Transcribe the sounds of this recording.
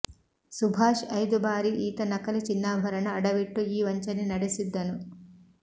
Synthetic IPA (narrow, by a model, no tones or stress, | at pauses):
subʱaːʂɐjd̪ubʱaːɾiʔiːt̪ɐnɐkɐlit͡ʃinːaːbʱɐɾɐɳɐːɽɐʋiʈːuiːʋɐɲt͡ʃɐninɐɽisid̪ːɐnu